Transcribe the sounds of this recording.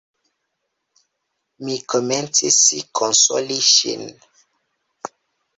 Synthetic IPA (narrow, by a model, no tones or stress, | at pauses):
mikʰomɛ̃nsisikʰonso̰liʃḭn